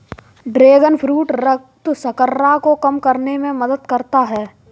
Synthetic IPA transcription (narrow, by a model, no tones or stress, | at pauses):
ɖɾeːɡənpʰɾuːʈɾəkt̪sɐkəɾːakokɐmkɐɾnemẽməd̪əd̪kɐɾt̪aɦɛː